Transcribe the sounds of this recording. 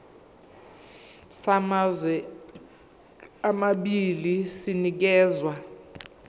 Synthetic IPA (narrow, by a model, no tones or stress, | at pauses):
sazɛ | amaɓilisinik̬ɛːzwa